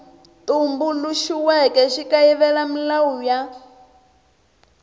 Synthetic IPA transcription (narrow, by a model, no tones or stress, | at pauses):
t̪umbuluʃiwɛkʼɛʃikaiβɛlamilawuja